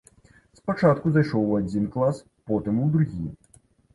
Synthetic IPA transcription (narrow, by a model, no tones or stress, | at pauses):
spat͡ʂat̪kuzajʂɔwad͡zʲinklˠas | pɔt̪ɨmuwd̪ɾuɣʲi